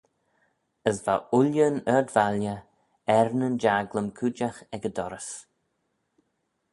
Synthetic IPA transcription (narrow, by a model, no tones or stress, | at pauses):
əsvaʊljənəɹdvaljə | ɛɹnənd͡ʒaɡləmkʰud͡ʒaxɛɡəd̪ɔɾəs